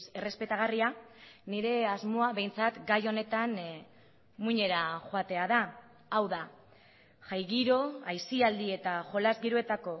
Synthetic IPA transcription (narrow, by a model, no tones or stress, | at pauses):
e̞re̞spe̞t̪aɣ̞arianiɾe̞azmo̞aβe̞jnt͡sat̪ɡajo̞ne̞t̪an | muɲe̞ɾaʝoat̪e̞aða | awða | ʝajɣiɾo̞ajsiald̪ie̞t̪aʝo̞lazɣiɾoe̞t̪ako̞